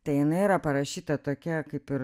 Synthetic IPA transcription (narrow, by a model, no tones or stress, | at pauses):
t̪ɐɪjɪnɐɪiːɾɐpɐɾɐʃʲiːt̪ɐt̪oːkʲɛkɐɪpɪr